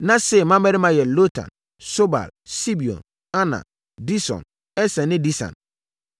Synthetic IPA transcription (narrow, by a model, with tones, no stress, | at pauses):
nã˦sɛ˨mã˦mɛ˦ɾɪ˦mã˨jɛ˨lo˦tʰã̰˨n | so˦ba̰˨lsi˦bi˨ɔ̰̃˨n | a˦nã̰˨ | di˦sɔ̰̃˨n | ɛ˦sɛ̃˨nɪ̃˦di˦sã̰˨n